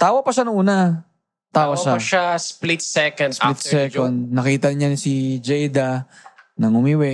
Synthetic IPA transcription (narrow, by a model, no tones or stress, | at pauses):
t̪aːwɐpɐʃanɐŋʔuːnɐ | t̪aːwɐʃaɐʃasplit̪sɛkɐnsllit̪sɛkond̪̚nɐkiːt̪ɐɲansid͡ʒɛjd̪anɐŋʊmiwɛ